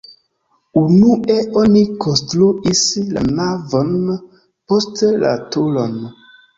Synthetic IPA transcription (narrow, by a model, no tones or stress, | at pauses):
unuʔeonikonstɾuisla̰navon | postla̰tolon